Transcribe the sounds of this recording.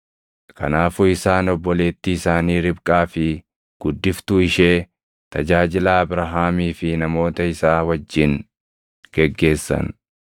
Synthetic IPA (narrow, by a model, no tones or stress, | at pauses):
kɐ̰naːfʊɪsaːnɔbːɔle̞ːt̪ːɪːsaːniːɾɪbkʼaːfɪ | ɡ̥ʊd̪ːɪft̪ʊɪʃe̞ː | t̪ɐd͡ʒaːd͡ʒɪlaːbɾɐɦaːmiːfɪnɐmo̞ːt̪ɐɪsaːwɐd͡ʒːɪn | ɡ̥ɛɡːe̞ːsːɐ̰n